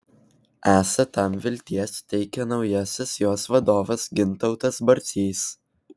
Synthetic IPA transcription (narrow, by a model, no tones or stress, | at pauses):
æːsɐt̪ɐmʋʲɪlʲt̪ʲiɛst̪ʲɛɪkʲɛnɒʊjɛsʲɪsjoːsʋɐd̪oːʋɐsɡʲɪnt̪ɒʊt̪ɐsbɐɾʲt̪sʲiːs